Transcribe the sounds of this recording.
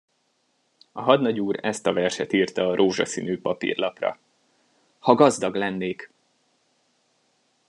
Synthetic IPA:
ɒɦɒd̪nɒɟuːɾɛst̪ɒvɛrʃɛt̪iːrt̪ɒːɾʔoːʒɒ̰sḭːnyːpɒpḭːrlɒprɒ̰ | hɒɡɒzd̪ɒɡlɛnːeːk

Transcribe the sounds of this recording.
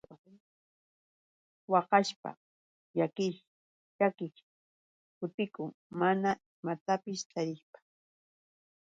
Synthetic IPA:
wɑqɑʃpa̰ | jakɪʃ | jakɪk | kʊt̪ɪkʊŋmanaɪmat̪apɪst̪ʰaɾɪχpḁ

